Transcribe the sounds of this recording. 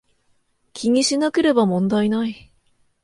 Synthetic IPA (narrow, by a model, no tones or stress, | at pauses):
kʲʰiɲ̟ʲiɕinake̞ɾe̞bamõ̞nd̪ainai